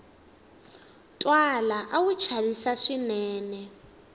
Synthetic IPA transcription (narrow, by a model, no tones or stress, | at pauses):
tʼwalaʔawut͡ʃʰaβisaʂinɛːnɛ